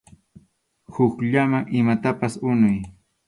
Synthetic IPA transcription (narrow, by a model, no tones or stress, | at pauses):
hʊkʎamaŋʔɪmat̪apasʊnʊj